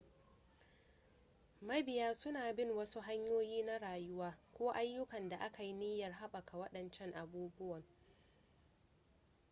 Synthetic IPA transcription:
mɐ˦bɪ˨jaː˦sʊ˦naː˨bɪ˦˨ŋwɐ˦su˦ɦa˦ɲjoː˦jiː˦na˦ɽaː˨jʊ˦waː˦kʷoː˦ʔa˦jːʊ˦kɐ˨nda˨ʔa˦ka˨ji˦nɪ˦jɐ˨rɦa˦ɓɐ˨kʰa˨wɐ˦ɗɐ˨nt͡ʃɛ˦ŋʔa˨buː˦bʊ˦wɐ˨ŋ

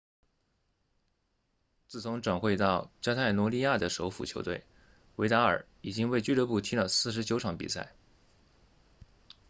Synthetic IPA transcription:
t͡sɹ̩˥˩t͡sʰʊ˧˥ŋʈ͡ʂa˨˩ŋxwe˥˧ɪt̪ɑ˥˩ʊt͡ɕjɑ˥t̪ʰa˥˩ɪnwɔ˧˥li˥˧ja˥˩d̪ə˩ʂo˧˥ʊfṵ˨˩t͡ɕʰjo˧˥t̪wḛ˥˩ɪ | we˧˥ɪt̪a˧˥ə̰˞˨˩ | i˨˩t͡ɕi˥ŋwe˥˧ɪt͡ɕy˥lɤ˥pu˥˩t̪ʰi˥lə˨˧sɹ̩˥˩ʂ̬ɻ̩˧˥t͡ɕjo˧˥ʊʈ͡ʂʰɑ˧˥ŋpḭ˨˩sa˥˩ɪ

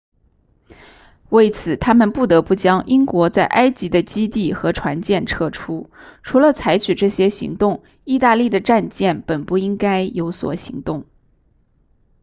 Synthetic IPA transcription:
we˥˩ɪt͡sʰɹ̩˨˩t̪ʰa˥mə˨npu˥˩t̪ɤ˧˥pu˥˩t͡ɕjɑ˥ŋʔi˥ŋkwɔ˧˥t͡sa˥˩ɪʔa˥ɪt͡ɕi˧˥d̪ə˧t͡ɕi˥t̪i˥˩xɤ˧˥ʈ͡ʂʰwa˧˥nt͡ɕjɛ˥˧nʈ͡ʂʰɤ˥˩ʈ͡ʂʰu˥ʈ͡ʂʰu˧˥lə˧t͡sʰa˧˥ɪt͡ɕʰy˨˩ʈ͡ʂɤ˥˩ɕjɛ˥ɕḭ˧˥ŋt̪ʊ˥˩˧ŋ | i˥˧t̪a˥˧li˥˩d̪ə˩ʈ͡ʂa˥˧nt͡ɕjɛ˥˩npə˨˩npu˥˩i˥ŋka˥ɪjo˧˥ʊswɔ̰˨˩ɕḭ˧˥ŋt̪ʊ˥˩ŋ

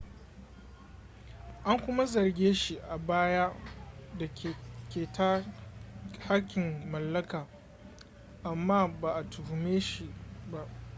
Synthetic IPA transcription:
ʔa˦ŋkʷʊ˦ma˦zɐ˨rɡʲeː˦ʃi˦ʔa˨baː˦ja˦da˨kʲeː˨ta˦ | ha˦kʲːɪ˨mːɐ˨lːɐ˦kaː˨ | ʔa˨mːaː˦baː˨ʔa˨tʊ˨hʊ˨meː˦ʃi˨ba˦ʔ

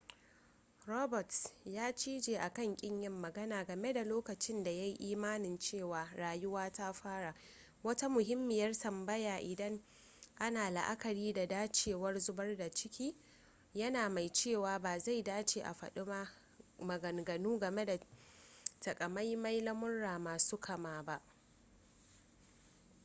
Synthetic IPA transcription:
ɾɔ˦bɔ˨tjaː˦t͡ʃiː˦d͡ʒeː˨ʔa˨kɐ˦˨ŋkʲʼɪ˦ɲjɐ˦mːɐ˨ɡɐ˦naː˨ɡɐ˨me˦da˨loː˦kɐ˨t͡ʃɪ˦nda˨ja˦jʔiː˦maː˦nɪ˨nt͡ʃeː˦˨waː˨ɾaː˨jʊ˦waː˦ta˦ɸaː˦ɽa˨ | wɐ˦ta˦mʊ˨ɦɪ˦mːɪ˨jɐ˦rtɐ˨mbɐ˦jaː˨ʔɪ˨dɐ˦ŋ | ʔa˦naː˨la̰˨ʔa˦kɐ˨ɾiː˦da˨daː˦t͡ʃeː˨wɐ˦rzʊ˦bɐ˦rda˨t͡ʃɪ˦kʲiː˦ | jɐ˦naː˨ma˨jt͡ʃeː˦˨waː˨baː˨za˦˨jdaː˦t͡ʃeː˨ʔa̰˨ɸɐ̰˨ɗɪ˦ma˦ | mɐ˨ɡɐ˨ŋɡɐ˨nuː˦ɡɐ˨me˦da˨ | tɐ˨kʼɐ˨ma˦jma˦jlɐ˦mʊ˦nɽaː˨maː˨suː˦kʰɐ˨maː˨ba˦ʔ

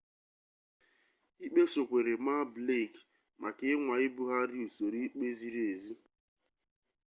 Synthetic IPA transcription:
i˦k͡pe˦so˨kʷe˨ɾe˨ma˦ble˦˨k | mʔa˨ke˦ŋʷa˨ɪ˦bu˦ɦa˦ɾi˦u˨so˨ɾi˦k͡pe˦zi˦ɾe˨zi˦

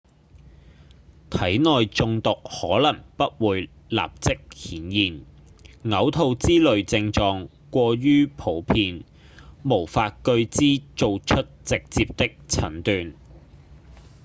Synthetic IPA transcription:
t̪ʰɐ˨˥jnɔː˨jt͡sʊ˧ŋt̪ʊ˨k̚hɔː˨˥lɐ˨˩ŋpɐ˥t̚wuː˨˧j | la̰ː˨p̚t͡sɪ˥k̚hiː˨˥njiː˨n | ŋɐ˨˥wt̪ʰo˧wt͡siː˥lɵ˨ɥt͡sɪ˧ŋt͡sɔː˨˧ŋ | kʷɔː˧ɥyː˥pʰo˨˥wpʰiː˧n | mo˨˩wfaː˧t̚kɵ˧ɥt͡siː˥t͡so˨˧wt͡ʃʰɵ˥t̚t͡sɪ˨k̚t͡siː˧p̚t̪ɪ˥k̚t͡sʰɐ˨˥nt̪yː˨n

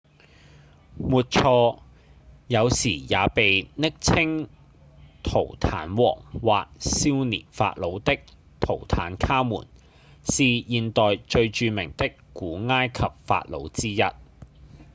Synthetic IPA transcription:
muː˨t̚t͡sʰɔː˧ | jɐ˨˧wsiː˨˩jaː˨˧pe˨jnɪ˥k̚t͡sʰɪ˥ŋ | t̪ʰo˨˩wt̪ʰaː˨˥nwɔ̰ː˨˩ŋwa̰ː˨k̚siː˥wnḭː˨˩nfa̰ː˧t̚lo˨˧wt̪ɪ˥k̚ | t̪ʰo̰˨˩wt̪ʰaː˨˥nkʰaː˥mṵː˨˩n | siː˨jiː˨nt̪ɔː˨jt͡ʃɵ˧ɥt͡ʃyː˧mɪ˨˩ŋt̪ɪ˥kkːuː˨˥ŋaː˥jkʰɐ˨p̚fa̰ː˧t̚lo̰˨˧wt͡siː˥jɐ̰˥t̚

